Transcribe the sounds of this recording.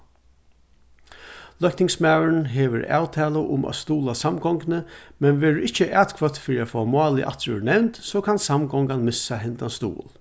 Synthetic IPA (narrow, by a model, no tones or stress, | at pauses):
lœhkt̪ɪŋsmawənɦɛːʋəɾa̰ːwt̪ʰɛːlaʔʊ̰mʔa̰st̪uːlasamɡɔŋknəmɛnʋɛːɹəʔɪht͡ʃəʔɛːt̪kʰvœt̪fɪːɾiafoːamɑːlɪ̰ʔa̰t̪ɾʏ̰nɛwnt̪sɔkʰansamɡɔŋkanmɪsaɦɛnt̪anst̪ṵːl